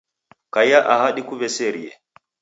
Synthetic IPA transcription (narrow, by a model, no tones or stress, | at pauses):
kajaʔahaɗikuβɛsɛɾḭɛ̰